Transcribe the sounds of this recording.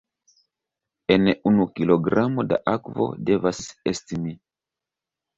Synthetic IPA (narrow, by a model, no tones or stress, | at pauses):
enunukiloɡɾamoda̰ʔakvo̰devasestimi